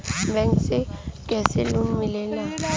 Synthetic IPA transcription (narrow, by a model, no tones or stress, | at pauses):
m̩bɛŋ̩sɪkʼɛsɪlʊmilɛla